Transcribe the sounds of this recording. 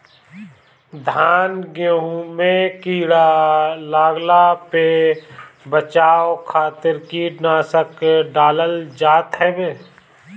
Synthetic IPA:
d̪ʱaːnɡeũmẽkiːɽalaːɡlape | bət͡ʃaːokʰaːt̪ɪɾkinaːsəkɖaːləld͡ʒaːt̪ɦɛbeː

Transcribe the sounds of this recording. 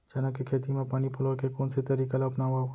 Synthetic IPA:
d͡ʒɐnakekʰeːt̪imẽpaːnipʰʊloɾkekɔːnsit̪ɐɾiːkalaʊpnaːa

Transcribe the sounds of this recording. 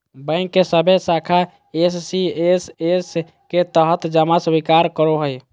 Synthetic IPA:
bəɪnkːesəbʱesakʰa | esːieses | ket̪əɦət̪d͡ʒəmasbikaɾkəɾoɦəj

